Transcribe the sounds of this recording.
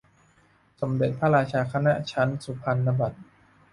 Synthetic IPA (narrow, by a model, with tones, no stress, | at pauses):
so˩˦mde˨˩t̪̚pʰa˥ɾaː˧t͡ɕʰaː˧kʰa˧na˦˥t͡ɕʰa˦˥nsu˨˩˦pʰa˧nːa˧ba˨˩t̪̚